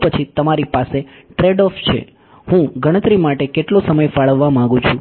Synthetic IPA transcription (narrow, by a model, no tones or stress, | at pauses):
pət͡ʃʰit̪əmaɾipase | ʈɾeɖɔft͡ʃʰḛ | ɦũɡʱəɽ̃ət̪ɾimaʈekeʈlosəməjfaɭəʋːamãɡũt͡ʃʰũ